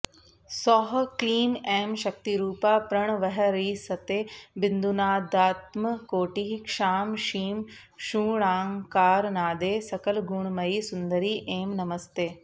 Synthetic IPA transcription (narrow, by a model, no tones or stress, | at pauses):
sɔːɦkliːmeːmʃɐk̚t̪iɾuːpaːpɾɐɳ̃ʋɐɦɐɾiːsɐt̪eːbɪnd̪unaːd̪aːt̪mɐkoːʈiɦikʂaːmʃiːm | ʃũːɳaːŋkaːɾnaːd̪eːsɐkɐlɡuːɳmɐisʊnd̪ɐɾiːʔeːmnɐmɐst̪eː